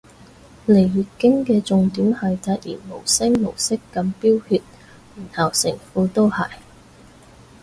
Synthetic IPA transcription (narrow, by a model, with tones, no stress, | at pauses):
le˨˩jji˨kːɪ˥ŋkɛː˧t͡sʊ˨ŋt̪iː˨˥mhɐ˨jt̪ɐ˧˥t̚jḭː˨˩nmo˨˩wsɪ˥ŋmo˨˩wsɪ˥kːɐ˨˧mpiː˥whyː˧t̚ | m̩ː˨˩nhɐ˨˩wsɪ˨˩ŋfuː˧t̪o˥whɐ̰˨˩j